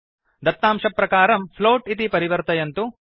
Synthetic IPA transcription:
d̪ɐt̪ːaːmʂɐpːɾɐkaːɾɐmpʰloːʈit̪ipɐɾiʋɐɾt̪ɐjɐnt̪u

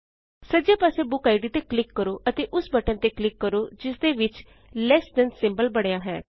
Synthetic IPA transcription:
səd͡ʒaːpaːseːbʊkaːiɖiːt̪eːklɪkːəɾoːʔət̪eːʔʊsbəʈə̃nt̪eːklɪkːəɾoːd͡ʒɪsd̪eːʋɪt͡ʃ | lɛːsɖənsɪmbəlbəɽ̃ejaːɦɛ̰ː

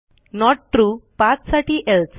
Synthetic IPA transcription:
nɔʈ̚ʈɾuːpat͡ssaʈʰiːʔelt͡s

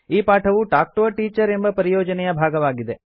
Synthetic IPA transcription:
iːpaːʈʰɐʋuʈaːk̚ʈoːʈiːt͡ʃɐɾe̞mbɐpɐɾijɔːd͡ʒɐnɛjɐbʱaːɡɐʋaːɡid̪e̞

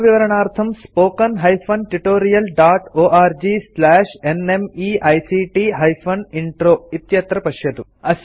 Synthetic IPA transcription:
ʋiʋɐɾɐɳaːɾt̪ʰɐmspoːkɐnɦɐjpʰɐnʈiʈoːɾijɐlɖaːʈoːʔaːɾd͡ʒislaːʂenemiʔɐjsiʈiɦɐjpʰɐniɳʈɾoːit̪jɐt̪ɾɐpɐʃjɐd̪u | ɐs

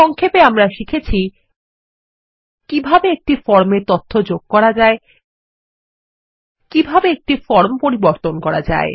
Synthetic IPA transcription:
ɔŋkʰepeamɾaʃikʰet͡ɕʰi | kibʱabeek̚ʈifɔɾmeɾt̪ot̪ʰːod͡ʑoɡ̚kɔɾad͡ʑae | kibʱabeek̚ʈifɔɾmpoɾiboɾt̪onkɔɾa̰d͡ʑa̰e

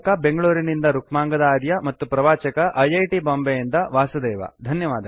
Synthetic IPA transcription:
kɐbeŋɡɐɭuːɾinind̪ɐɾukmaːŋɡɐd̪aːd̪jɐmɐt̪ːupɾɐʋaːt͡ʃɐkɐʔɐjɐjʈiboːmbejind̪ɐʋaːsɐd̪ɛːʋɐ̰d̪ʱɐnjɐʋaːd̪ɐ

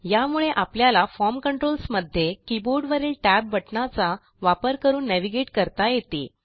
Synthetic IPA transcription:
jamuɭeʔapljalafɔɾmkəɳʈɾolsməd̪ʱːjekiboɾɖʋəɾeːlʈæb̚ːəʈnat͡sa | ʋapəɾkəɾuːnːeʋiɡeʈkəɾt̪ajet̪ḭ

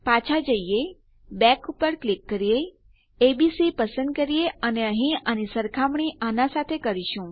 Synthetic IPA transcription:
pat͡ʃʰad͡ʒəije | bɛkupəɾklikːəɾijeː | bisipəsə̃nd̪̚kəɾijeəneəɦĩanisəɾkʰamɳiʔanasat̪ʰekəɾiʃũ

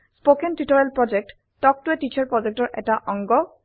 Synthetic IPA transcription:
spokentitɔɹelpɹɔd͡ʒek̚t | tɔk̚tuetit͡ʃʰaɹpɹɔd͡ʒek̚tɔɹʔɛ̰taʔɔŋɡɔ

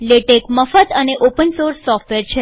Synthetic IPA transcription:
leʈekməfət̪əneʔopənsoɾsːɔfʈʋeɾt͡ʃʰe

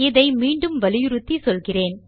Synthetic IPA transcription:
ɪðɐɪmiːɳɖɯmʋɐlɪjɯɾʊt̪ːisɔlɣɪreːn

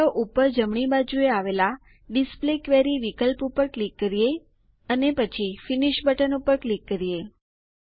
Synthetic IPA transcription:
oʔupəɾd͡ʒəmɳibad͡ʒueaʋela | ɖisplekʋeɾiʋikəlpupəɾklikːəɾije | ənepət͡ʃʰifiniʃbʱəʈənupəɾklikːəɾije

